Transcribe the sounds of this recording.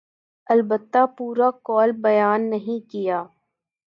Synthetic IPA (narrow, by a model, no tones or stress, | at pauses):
ɐlbət̪ːapuːɾakɔːlbɐjaːnːɐɦĩkijaː